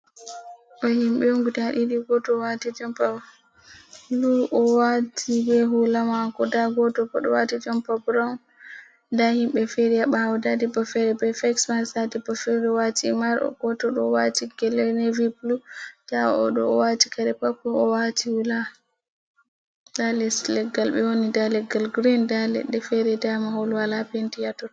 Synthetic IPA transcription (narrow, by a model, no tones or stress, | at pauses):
ʔɔhimɓɛuŋɡutaɗiɗiɡɔtɔwatid͡ʒɔmpa | luʔɔwatʰibɛɦulamakɔdaɡɔtɔbɔɗɔwatid͡ʒɔmpabɾawn | dahimɓɛfeɾijaɓahawdadibɔfɛɾɛbɛfɛksmasatibɔfɛɾɾɛwatʰimaɾɔ̰ɡɔtɔɗɔwatiɡɛlɛneviplutaɔɗɔwatikaɾɛpakːɔɔwatihula | dalɛslɛɡːalɓɛwonidalɛɡːalɡɾindalɛ̰ɗːɛfɛɾɛdamaholwalapentijatɔ